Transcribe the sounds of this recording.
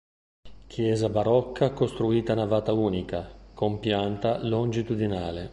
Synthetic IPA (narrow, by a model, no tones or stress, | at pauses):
k̟ʰjɛːzabaɾɔkʰːakost̪ɾuiːt̪anavaːt̪auːnikakompjant̪alond͡ʒit̪ud̪inaːle